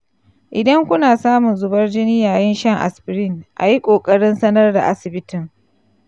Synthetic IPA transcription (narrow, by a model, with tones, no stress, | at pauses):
ʔɪ˨dɐ˦ŋkʷʊ˦naː˨saː˦mʊ˨nzʊ˦˨bɐ˦rd͡ʒɪ˦nɪ˦jaː˨jɛ˦nʃɐ˦ŋʔa̰˨sbɪ˨ɾɪ˦ŋʔa̰˨ji˦kʷʼoː˨kʼɐ˦ɽɪ˦nsɐ˦nɐ˦rda̰˨ʔa˦sɪ˨bɪ˦tɪ˨ŋ